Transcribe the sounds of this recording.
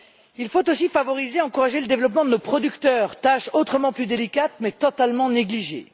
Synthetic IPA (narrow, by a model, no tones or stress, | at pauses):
ilfot̪osifavɔʁizeɑ̃kuʁaʒeləd̪evlɔp̬mɑ̃d̪ənopχɔd̪ykt̪œːʁt̪aʃot̪χəmɑ̃plyd̪elikat̪mɛt̪ɔt̪almɑ̃neɡliʒḛ